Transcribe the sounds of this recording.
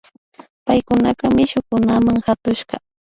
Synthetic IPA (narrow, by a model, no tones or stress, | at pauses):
pajkʊnakamɪʃʊkʊnamaŋhat̪ʊʃɢɑ